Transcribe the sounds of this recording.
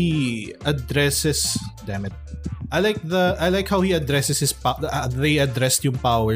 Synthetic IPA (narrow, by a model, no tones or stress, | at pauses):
iɐd̪ɹɛsɪsd̪ɛmɛt | ʔajlaɪk̚ðɐajlaɪkhawhiɐd̪ɹɛsɨshɪspaðeɪɐd̪ɾɹɛst̪jʊ̃ŋpawɛ